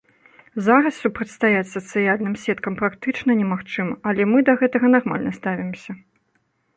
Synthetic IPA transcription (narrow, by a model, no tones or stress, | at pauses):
zaɾɐssʲupɾɐt͡sʲst̪ajat͡sʲsɐt̪sɨjalʲnɨmsʲɛt̪kɐmpɾakt̪ɨt͡ʂnɐnʲɛmaxt͡ʂɨmɐʔɐlʲɛmɨd̪ɐɣɛt̪ɐɣɐnarma̰lʲnɐst̪avʲimsʲɐ